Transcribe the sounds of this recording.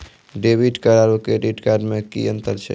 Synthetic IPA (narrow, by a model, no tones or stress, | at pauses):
ɖeːbiʈkaɾaːɾukeɖiʈkaːɖmẽkḭə̃nt̪əɾt͡ʃʰḛ